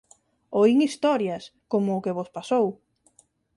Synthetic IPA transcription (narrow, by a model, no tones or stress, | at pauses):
oiŋist̪ɔɾjɐskomʊːkeβospasow